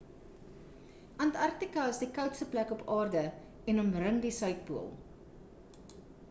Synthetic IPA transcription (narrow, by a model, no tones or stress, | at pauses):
ʔɐntɐrk̚tikɐəsdikœwtstəplækɔpʰɑːrdə | ɛnɔmrəŋdisœɥk̚buəlˠ